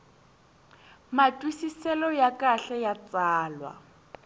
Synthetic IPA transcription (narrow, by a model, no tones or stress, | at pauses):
matʼwisisɛlɔjakʼaɬɛjat͡saːlwa̰